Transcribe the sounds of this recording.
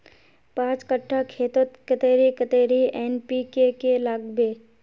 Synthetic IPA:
pãːt͡ʃkəʈʰːakʰeːt̪ət̪kət̪eːɾikət̪eːɾieːnpikekelaːɡbeː

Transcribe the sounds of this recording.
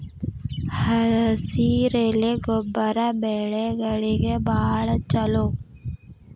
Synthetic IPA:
həɾsiɾeːleɡʊbəɾabeːɽeɡəɽiɡebaːɭt͡ʃəloː

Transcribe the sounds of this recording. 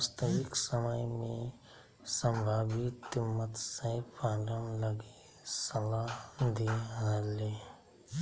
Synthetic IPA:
st̪əʋɪksəməjmẽ | sə̃mbʱaːbɪt̪mət̪sə̃pãːɾəmləɡe | sɐlaɦd̪eɦəle

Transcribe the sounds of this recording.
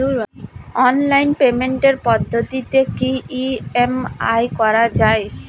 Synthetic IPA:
uɾɔnlajnpemeɳʈeɾpɔd̪ʱːot̪it̪ekiiema̰jkɔɾad͡ʑae

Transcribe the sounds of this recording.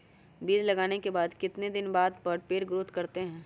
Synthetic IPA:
biːd͡ʒlɐɡaːnekebaːd̪kɪt̪ned̪ɪnbaːd̪pɐɾpeːɾɡɾʊt̪kɐɾt̪eɦɛ̃ː

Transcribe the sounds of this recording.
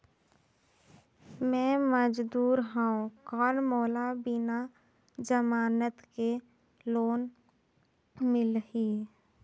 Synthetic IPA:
mɛ̃ːməd͡ʒd̪uːɾɦaõkɔːnmoːlabɪna | d͡ʒəmaːnət̪ke | loːn | mɪlɦiː

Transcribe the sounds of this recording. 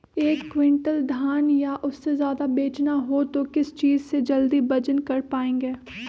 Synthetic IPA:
eːkːwɪ̃ɳʈəld̪ʱjaːnjaʔʊsːezjaːd̪abeːt͡ʃnaɦot̪okɪst͡ʃiːzsed͡ʒɐld̪ibɐd͡ʒənkɐɾpaːẽːŋɡeː

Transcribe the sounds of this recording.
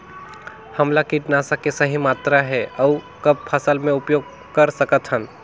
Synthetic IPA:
həmlakiʈnaːsakesəɦimaːt̪ɾaɦɛʔɐʊ | kɐb̚pʰəsəlmẽʊpjoːɡ̚ | kəɾsəkət̪ɦən

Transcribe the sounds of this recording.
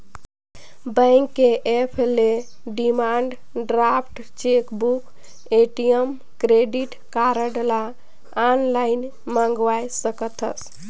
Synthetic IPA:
bə̃ŋkːeʔepʰele | ɖimaɳɖ | ɖɾapʰʈ | t͡ʃekbuk | eʈijəm | kɾeɖiʈ | kaɾəɖelaː | nlajn | mãŋɡʋajsəkət̪ʰə̰s

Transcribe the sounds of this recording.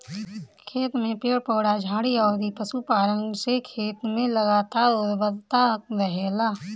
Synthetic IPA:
kʰeːt̪mẽpeːɽpɔːɽad͡ʒʱaːɽiɔːd̪ipəsupaːɾə̃ŋɡsekʰeːt̪mẽləɡaːt̪aːɾoɾbəd̪t̪aɦək̚ʋɛɦeːlaː

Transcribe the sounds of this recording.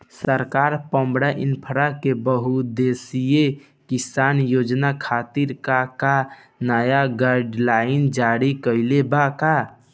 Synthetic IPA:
səɾkaːɾpə̃mbɽaʔinpʰəɾakebəɦud̪esije | kisaːnjoːd͡ʒnakʰaːt̪iɾkaka | nəjaɡaɾɖlaɪnd͡ʒaɾikəɪlebaka

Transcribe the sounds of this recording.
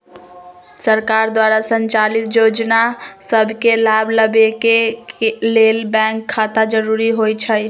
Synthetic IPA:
səɾkaɾd̪waɾasənt͡ʃalit̪jod͡ʒnasəbʱkelabʱləbeke | lelbɛ̃ŋkʰːat̪ad͡ʒəɾuɾiɦojt͡ʃʰəj

